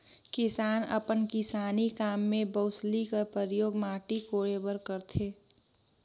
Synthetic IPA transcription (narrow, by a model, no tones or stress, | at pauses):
kɪsaːnə̰pənkɪsaːnikaːmːẽbəʊslikəɾpəɾjoːɡmaːʈikoːɽeːbəɾkəɾt̪ʰeː